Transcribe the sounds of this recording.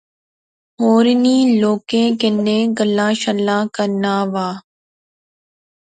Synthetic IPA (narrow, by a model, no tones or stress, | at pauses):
ɦoːɾniːloːkẽːkɪnːẽːɡəlːaːʃəlːãːkəɾnaːʋaː